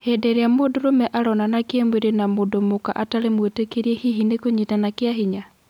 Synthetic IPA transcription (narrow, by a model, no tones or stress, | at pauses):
heːdeɾeamodoɾomɛʔaɾɔnanakjemweɾenamodomokaʔataɾemwetekeɾiehiɦinekoɲitanakjaɦiɲa